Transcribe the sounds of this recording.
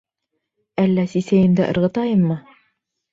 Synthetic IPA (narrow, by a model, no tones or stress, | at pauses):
ælːæsisæjɘ̆nd̪æʔɤ̆ɾʁɤ̆t̪ɑjɤmːɤ